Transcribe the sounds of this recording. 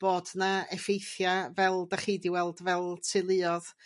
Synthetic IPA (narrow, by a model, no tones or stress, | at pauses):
b̥oːdnaɛfejθjavɛlˠdaχiːdiwɛlˠdvɛlˠtʰɨlˠɨɔð